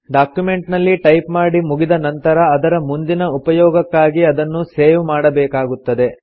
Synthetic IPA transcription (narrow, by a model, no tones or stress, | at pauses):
ɖaːkjume̞ɳʈnɐlːiʈɐjpmaːɽimuɡid̪ɐnɐnt̪ɐɾɐːd̪ɐɾɐmund̪inɐupɐjɔːɡɐkːaːɡiɐd̪ɐnːuseːʋmaːɽɐbɛːkaːɡut̪ːɐd̪e̞